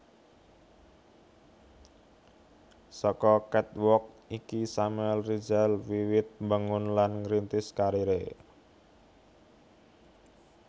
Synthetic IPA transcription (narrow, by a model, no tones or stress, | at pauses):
sɔkɔkɛt̪wɔk̚ | ikisamɛlrid͡ʒalwiwɪt̪̚baŋʊnlanŋɾint̪ɪskaɾiɾe